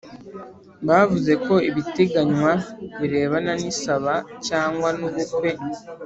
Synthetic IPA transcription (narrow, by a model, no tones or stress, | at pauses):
βaːvuze̞ko̞iβite̞ɡaɲwaβiɾe̞ːβananisaβacaːŋɡwanuβukwe̞